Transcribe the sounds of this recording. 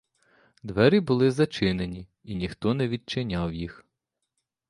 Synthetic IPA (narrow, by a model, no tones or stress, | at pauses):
d̪ʋɛɾʲibʊlˠɪzɐt͡ʃɪnenʲi | inʲixt̪ɔnɛʋʲid̪̚t͡ʃɪnʲawjix